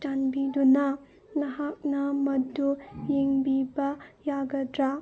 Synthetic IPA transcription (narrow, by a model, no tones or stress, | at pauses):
tanbidunɐ | nɐɦak̚nɐmɐdujiŋbibɐjaɡɐdɾa